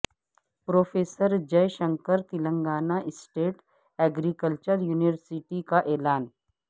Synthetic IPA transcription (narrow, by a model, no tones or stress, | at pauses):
pɾoːfʰeːsəɾd͡ʒejʃə̃ŋkəɾt̪ɪlə̃ŋɡaːnaʔɪsʈeːʈ | ɛːɡɾikəlt͡ʃəɾjuːniʋəɾsiʈikaʔeːlaːn